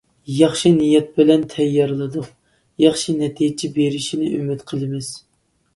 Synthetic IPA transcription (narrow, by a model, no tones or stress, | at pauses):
jɑχʃinijɛt̪̚bɪlɛnt̪ʰɛjːɑɾlˠɨd̪u | jɑχʃɨnɛt̪ʰijɪt͡ʃʰibeɾɪʃinɪʔymɪt̪qʰəlˠɨmɪz̥